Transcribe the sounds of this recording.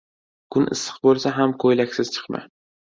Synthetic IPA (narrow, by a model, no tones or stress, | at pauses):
kʰʊnʔɪ̰sːɨ̥qbolˠsaɦamkʰojlakʲsɪz̥t͡ʃʰɨ̥qma̰